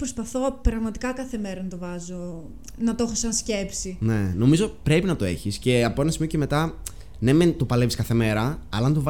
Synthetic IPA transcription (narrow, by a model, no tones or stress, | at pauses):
pɾospɐθo̞pɾɐɣmɐt̪i̥kɐkɐθe̞me̞ɾɐnɐt̪ovɐzo̞ | nɐt̪oxosɐnsce̞psine̞no̞mizo̞pɾe̞pinɐt̪o̞e̞çisce̞ɐpo̞enɐsimioceme̞t̪ɐ | nement̪o̞pɐleviskɐθe̞me̞ɾɐɐ̰lɐnt̪ov